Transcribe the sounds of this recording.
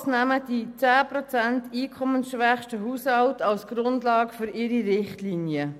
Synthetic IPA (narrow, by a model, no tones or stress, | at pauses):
snæmədit͡sæːprɔt͡sɛntiːkʰɔmənsʃʋɛχʃtəɦuːshɑltɑlsɡ̥ɾʊndlɑːɡəfʏɾɪɾiʁɪχtliːnjə